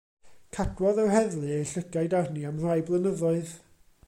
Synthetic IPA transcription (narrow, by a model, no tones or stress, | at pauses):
kʰadwɔðɔwɦɛðlˠɨejɬəɡajdarniamr̥ajblˠənəðɔɨð